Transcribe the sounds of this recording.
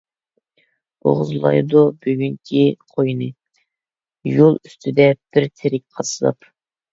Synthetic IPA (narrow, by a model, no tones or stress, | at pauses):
o̰ʁʊzlˠɑ̰jd̪ubyɡʲyŋkʲʰiqʰojnɨ | jolˠyst̪ʰɪd̪ɛb̥ɪɾt̪ʰeɾɪk̚ʲqʰɑsɨlˠɑ̰p